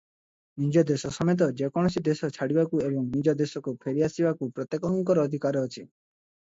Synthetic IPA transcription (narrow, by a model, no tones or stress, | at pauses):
nid͡ʒɔd̪esɔsɔmet̪̬ɔd͡ʒekɔɽ̃ɔsid̪esɔt͡ʃʰaɽibakuebɔŋnid͡ʒɔd̪esɔkupʰeɾiasibakupɾɔt̪jekɔŋkɔɾɔːd̪ʱikaɾɔɔt͡ʃʰi